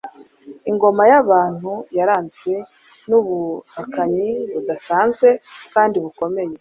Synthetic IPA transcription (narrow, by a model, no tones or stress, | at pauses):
iŋɡo̞majaβaːn̥hujaɾaːnzɡwe̞ | nuβuakaɲiβudasaːnzɡwe̞kaːndiβuko̞me̞je̞